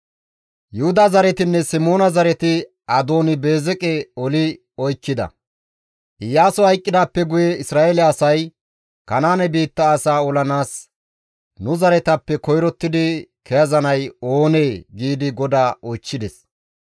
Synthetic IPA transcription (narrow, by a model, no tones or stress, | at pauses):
jʊhʊd̪azɐɾɛt̪ɪnːɛsɪmo̞ːnɐzɐɾɛt̪ɪ | ɐd̪o̞ːnɪbe̞ːzɛkʼɛɔlɪ | ɔjkːɪd̪ɐ̰ | ʔɪjaːsɔhɐjkʼːɪd̪aːpːɛɡʊjɛɪsɾaːʔelɛɐsɐj | kɐnaːnɛbiːt̪ːɐːsaːɔlɐnaːs | nʊzɐɾɛt̪ɐpːɛkɔjɾɔt̪ːɪd̪ɪkɛjɐzɐnɐjo̞ːneːɡiːd̪ɪɡɔd̪aːɔjt͡ʃːɪd̪ɛs